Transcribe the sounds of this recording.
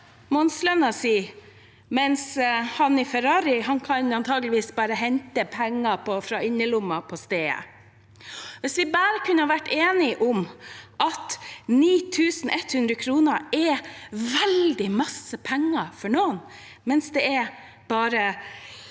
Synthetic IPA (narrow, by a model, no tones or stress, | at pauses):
mɔnslœnɑsiː | mɛnshɑnɪfɛɾɑːɾɪɦɑnkʰɑnɑnt̪ʰɑːɡəlɪʋiːsbɑːɾəɦɛnt̪əpʰɛŋːɑpʰɔfɾɑːɪnːəlʊmːɑpʰɔst̪eːə̰ | ʋɛsʋɪbæːɾəkʰʉnːəhɑʋæʈːeːnɪʔʊmʔɑt̪niːt̪ʰʉːsn̩ʔɛt̪hʉnd̪ɾəkʰɾuːnəɾɛʋɛld̪ɪmɑsəpʰɛŋːɑfɔɳoːn | mɛnsd̪ɛɛ | b̥ɑːɾə